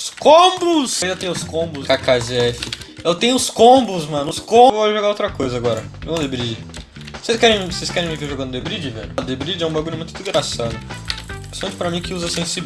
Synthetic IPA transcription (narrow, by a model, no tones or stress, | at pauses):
skõmbʊsẽĩd̪ɐt̪ẽj̃ʊskõbʊskakazɛfɪewt̪ẽj̃ʊʊskõbʊzmɐ̃nʊʊskõwvoʒoɡaowt̪ɾɐkojzɐaɡɔɾɐʒoɡɐ̃d̪ebɾid͡ʒɪ | osejskɛɾẽj̃vosejskɛɾẽj̃mɪveɾʒoɡɐ̃nd̪ʊd̪ebɾid͡ʒɪvɛ̰ʎʊʊd̪ebɾid͡ʒɪɛũbaɡũnʊmũt̪ʊd̪ɪɡɾasad̪ʊ | sɐ̃nt̪ʊpɾɐmĩkɪuzɐsẽsi